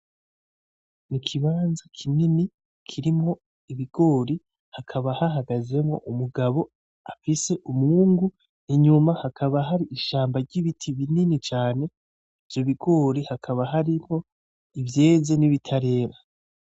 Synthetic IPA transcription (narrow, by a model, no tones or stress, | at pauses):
nikʰiβaːnzakʰinini | kʰiɾimŋo̞ | iβiɡ̥o̞ːɾi | hakʰaβahaɦaɡaze̞mŋo̞̰ʔumuɡaβo̞ | afise̞ʔumŋuːŋɡu | iɲumahakʰaβaɦaɾiʔiʃaːmbaɾɟiβitʰiβininit͡ʃaːne̞ | ivjoβiɡo̞ːɾihakʰaβaɦaɾimho̞ | ivje̞ːze̞niβitʰaɾe̞ːɾa